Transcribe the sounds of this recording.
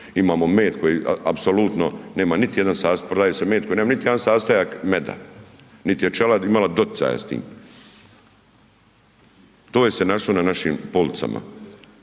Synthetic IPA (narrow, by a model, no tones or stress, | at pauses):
imaːmomeːt̪ko̞jia̰psoluːt̪none̞ːmanit̪ijed̪ansaːspɾod̪aːjeseme̞ːt̪koineːmnit̪ijed̪ansaːst̪ajakmed̪a̰ | nit̪ijet͡ʃelaimalad̪ot̪i̥sa̰ja̰st̪ḭːm | t̪oːjesenaʂlonanaʃḭːmpolt̪sa̰ma̰